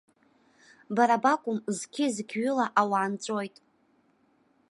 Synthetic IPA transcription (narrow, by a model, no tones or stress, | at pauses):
baɾabakʷʼʊmzkʲʰɪzɡʲɥʏlaʔawaːnt͡sʷʼo̞jtʼ